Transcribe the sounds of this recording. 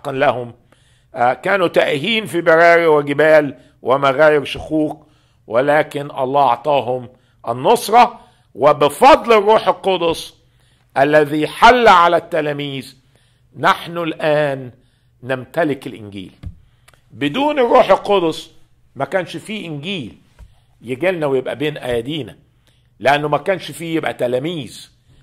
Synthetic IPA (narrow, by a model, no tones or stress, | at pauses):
qɑnlahʊm | kæːnut̪aʔhiːnfibaɾɑːɾiwɪɡɪbæːl | wɪmaɣæːjɪɾʃʊxuːq | wɪlæːkɪnʔɑ̰lˤːɑːɑ̰ʕt̪ˤɑːɦʊm | ʔɪ̰nːosˤɾˤɑ | wɪbɪfɑd̪ˤlɪrˤːuːħɪlqod̪ʊsˤ | ʔalːæðiħalːʕalæt̪ːælæːmiːz | naħnʊlʔæːnː | ɪmt̪ælɪkɪlʔɪnɡḭːl | bɪd̪uːnerˤːuːħelqod̪ʊsˤ | mækæːnʃfiːʔɪnɡiːl | jɪɡælnæwejebʔæ̰beːnʔæjæd̪iːnæ̰ | leʔanːʊmækæːnʃfiːjebʔæ̰t̪ælæːmiːz